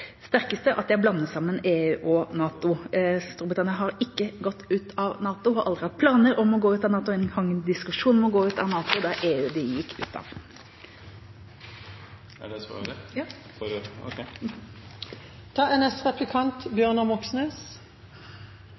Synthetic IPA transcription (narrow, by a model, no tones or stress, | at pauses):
st̪æʁkəst̪əʔɑt̪̚d̪ɛæɪblɑnːəsɑmːəneːʉːʔɔnɑːt̪ʊst̪uːɾbɾɪt̪ʰɑnɪənɦɑɾɪkːəɡɔt̪ːʉːt̪ʰɑʋnɑːt̪ʊhɑɾʔɑld̪ɾɪhɑt̪̚pʰlɑːnəɾɔmɔɡoːʉːt̪ɑʋnɑːt̪ʊɛnhɑŋəd̪ɪskʉʂuːnmɛɔɡoːʉːt̪ɑ̰ʋnɑːt̪ʊd̪ɑʔeːʉːd̪ɪjɪkːʉ̰ːt̪ɑ̰ʋ | ɛsɑ̰ | k | t̪ʰɑːɛnɛst̪ʁɑplɪkʰɑnt̪bjøːʁnəmɔksnøːs